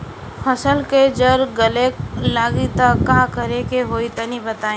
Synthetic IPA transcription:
fʰəsəlked͡ʒəɾɡəleklaːɡit̪akːãːkəɾekeɦoːit̪ənibət̪aːĩ

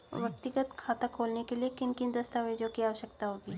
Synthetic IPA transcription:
ʋjɐkt̪ɪɡət̪kʰaːt̪akʰoːlnekeliekɪnkɪ̃nd̪əst̪aʋed͡ʒõkiaːʋəʃəkt̪aɦoɡiː

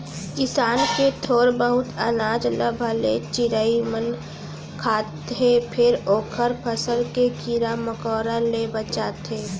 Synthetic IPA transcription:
kɪsaːnket̪ʰoːɾbəɦʊt̪ənaːd͡ʒləbʱəlet͡ʃɪɾaːimən | kʰaːt̪ɦepʰɪɾoːkʰəɾpʰəsəlkekiɾaməkɔːɾalebət͡ʃaːt̪eː

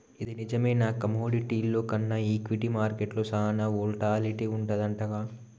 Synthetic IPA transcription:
id̪inid͡ʒɐmɐjnaːkɐmoːɖiʈiːlːo̞ːkɐnːɐiːkʋiʈimaːɾkeʈloːsɐɦnɐoːlʈaːliʈiuɳʈɐd̪ɐɳʈɐɡaː

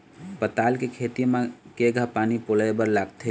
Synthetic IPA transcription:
pət̪alkekʰet̪imẽkeɡʱəpaːnipoləjbəɾlaɡt̪ʰe

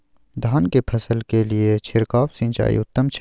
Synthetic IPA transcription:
d̪ʱaːnkepʰɐsəlkeliet͡ʃʰɪɾkaːwsɪ̃nt͡ʃa̰ːḭʊt̪ːəmt͡ʃʰ

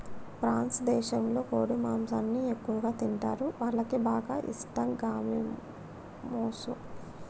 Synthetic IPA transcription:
pɾaːnsd̪ɛːʃɐmlo̞ːkoːɽimaːmsaːnːiekːuʋɐɡaːt̪iɳʈa̰ːɾuʋaːɭːɐkibaːɡa̰ːʔḭsʈɐmɡaːmi | moːsṵ

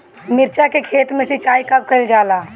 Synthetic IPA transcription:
mɪɾt͡ʃakekʰeːt̪mẽsɪt͡ʃaːikəb̚kəld͡ʒaːlaː

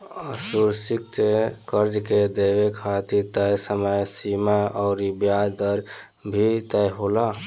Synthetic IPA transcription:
əsuɾsik̚t̪ekəɾd͡ʒked̪ebekʰat̪iɾt̪əjsəməjsimaɔʊɾibjad͡ʒd̪əɾ | bʱit̪əjɦola

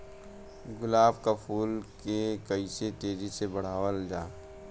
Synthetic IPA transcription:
ɡʊlaːbkapʰuːlkekɐiset̪eːd͡ʒisebɐɽ̤aːʋəld͡ʒaː

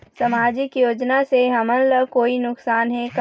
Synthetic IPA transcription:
sɐmaːd͡ʒɪkjoːd͡ʒnaseɦɐmənləkoːinʊksaːnɦɛ̃k

